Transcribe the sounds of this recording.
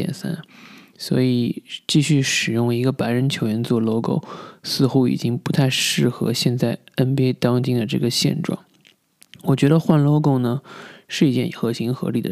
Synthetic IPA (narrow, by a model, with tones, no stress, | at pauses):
ɛ̰˨˩nsa̰˥n | swɔ̰˧˥i˨˩˦t͡ɕi˥˧ɕy˥˩ʂɻ̩˨˩jʊ˥˩ŋi˧˥ɡə˧pa˧˥ɪɻə˧˥nt͡ɕʰjo˧˥ʊɥɛ˧˥nt͡swɔ˥˧lo˥ʊko˥˩ʊsɹ̩˥˧xu˥ḭ˨˩t͡ɕi˥ŋpu˧˥t̪ʰa˥˧ɪʂɻ̩˥˩xɤ̰˧˥ɕjɛ˥˧nt͡sa˥˩ɪə˥npɛ˥ɪt̪ɑ˥ŋt͡ɕi˥ŋd̪ə˨ʈ͡ʂɤ̰˥˩ɡə˩ɕjɛ̰˥˧nʈ͡ʂwɑ̰˥˩ŋ | wɔ˨˩t͡ɕɥɛ˧˥d̪ə˧xwa˥˧nlo˥˧ʊko˥˩ʊnə˩ʂɻ̩˥˩i˧˥t͡ɕjɛ˥˩nxɤ˧˥ɕi˧˥ŋxɤ̰˧˥li˨˩d̪ə̰˦